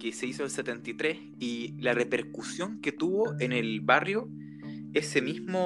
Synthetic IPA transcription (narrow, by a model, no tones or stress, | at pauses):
keseisoelset̪ent̪it̪ɾes | ilarepe̞ɾkusjo̞ŋket̪uβoʔenelβarjo | esemizmo